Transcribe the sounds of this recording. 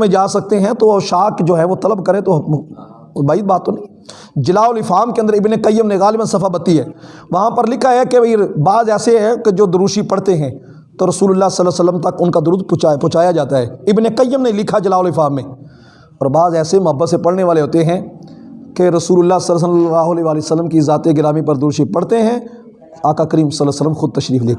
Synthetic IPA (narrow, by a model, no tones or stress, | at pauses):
mẽd͡ʒaːsɐk̚t̪eɦɛ̃t̪oʃaːkd͡ʒoːɦɛ̃ʋot̪ɐləbkəɾẽt̪o | baːid̪̚baːt̪ːoːnĩː | d͡ʒɪlaːʊlɪfaːmkeə̃nd̪əɾɪbnekəjəmnẽɣaːlɪbənsɐfʰabɐt̪iɦɛːʋɐɦãpəɾlɪkʰaɦɛkeibaːzɛːseɦɛ̃ked͡ʒoːd̪ʊɾuːʃipɐɽt̪eɦɛ̃ː | t̪oɾɐsuːlʊlːaːsəlːəsələmt̪ɐkʊnkad̪ʊɾuːd̪̚pʊ̃ːt͡ʃaːjad͡ʒaːt̪aɦɛːɪbnekəjəmneĩlɪkʰad͡ʒɐlaːʊlɪfaːmːẽː | ɔːɾbaːzɛːsemʊɦəbːəsepɐɽneʋaːleɦoːt̪eɦɛ̃ | keɾɐsuːlʊlːaːsəls̬əlaːɦʊleʋaːlisəlːəmkizaːt̪eɡɪɾaːmipɐɾd̪ɾuːʃipɐɽt̪eɦɛ̃ | aːkakəɾiːmsəlːəsələmxʊd̪̚t̪ɐʃɾiːfd̪eː